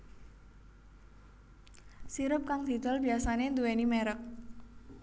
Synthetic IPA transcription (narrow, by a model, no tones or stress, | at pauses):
siɾʊp̚kaŋd̪̥i̤d̪̥ɔ̤lb̥iasanend̪uwenimeɾək̚